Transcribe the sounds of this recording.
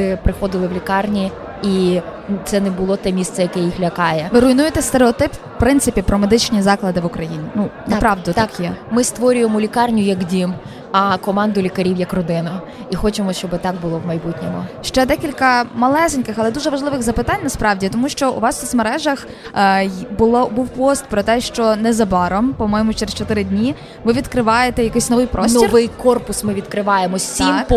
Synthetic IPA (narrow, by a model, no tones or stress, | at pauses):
ɪpɾɪxɔd̪ɪlˠɪʋlʲikɑrnʲi | i | t̪sɛnɛbʊlˠɔt̪ɛmʲist̪sɛjɐkɛjixlʲɐkɑjɛʋɪɾʊjinujet̪ɛst̪eɾeɔt̪ɪp | pɾɪnt̪sɪpʲipɾɔmed̪ɪt͡ʃnʲizɑklˠɐd̪ɪʋʊkɾɐjinʲinunɐpɾɑʋd̪ʊt̪kjɛmɪst̪ʋɔɾʲʊjemʊlʲikɑrnʲʊjɐkdʲim | ɐkɔmɑnd̪ʊlʲikɐɾʲiwjɐkrɔd̪ɪnɐ | ixɔt͡ʃemɔʃt͡ʃɔbɪt̪ɑɡ̚bʊlˠɔwmɐjbutʲnʲɔmʊ̰ʃt͡ʃɛd̪ɛkʲilʲkɐmɐlˠɛzɪnʲkɪxɐlˠɛd̪uʒɛʋɐʒlˠɪʋɪɣzɐpɪt̪ɑnʲnɐspɾɑwdʲit̪ɔmuʃt͡ʃɔṵʋɑst̪ɪxmeɾɛʒɐx | bʊlˠɔbuwpɔst̪̚pɾɔt̪ɛʃt͡ʃɔnɛzɐbɑɾɔmpɔmɔjmʊt͡ʃeɾest͡ʃɔt̪ɪɾɪdʲnʲi | ʋɪʋʲid̪kɾɪʋɑjet̪ɛjɐkɪjsʲnɔʋɪjpɾɔssntɔirʋɪjkɔrpʊsmɪʋʲid̪kɾɪʋɑjemɔimk